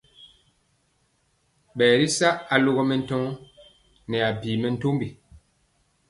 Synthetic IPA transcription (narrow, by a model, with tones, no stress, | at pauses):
ɓɛː˨ɾi˦sa˦ʔa˨lo˦ɣɔ˦mɛ˨n̩˦tɔ̃˦ | nɛ˨a˨biː˨mɛ˨n̩˦to˦mbi˨